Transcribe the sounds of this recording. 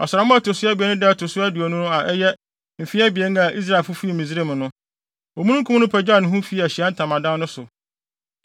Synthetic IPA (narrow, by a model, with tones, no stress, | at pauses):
ɔ˨sʊ˨ɾa˨mʊ̃˦a˨tʰʊ˨sʊ˦a˦bi˨ɛ˦nʊ̃˦dɛ˦˨tʰʊ˨sʊ˦æ˦dɪ˨ɔ˨nʊ̃˦nʊ̃˦a˨ʔɛ˦jɛ˦ | m̩˨fi˦a˦bi˨ɛ˦n˦a˨ʔi˦s̬ɾa˨e˨lfʊ˦fi˦˨mĩ˨zɾe˦˨m̃˨nʊ̃˦ | ɔ˨mũ˦ũ˦ŋ˦kʰũ˦m˦nʊ̃˦pʰɛ˨d͡ʑᶣa˦˨nʊ̃˨ɦũ˦fi˦˨æ˨ɕi˨a˦n̩˦tʰã˨mã˨dã˦nʊ̃˦sʊ˨